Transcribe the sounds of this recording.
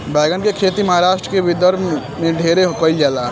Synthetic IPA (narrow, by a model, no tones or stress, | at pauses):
bɛːɡənkekʰet̪iməɦaɾaːʃʈɾəkebʱid̪əɾ | mẽɖʱeɾeɦkəɪld͡ʒaːla